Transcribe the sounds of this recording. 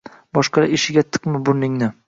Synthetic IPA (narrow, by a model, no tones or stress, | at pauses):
bɒʃqʰɑɾaeʃɪɡʲat̪ʰɨ̥qmɪbʊɾnɪŋnɪ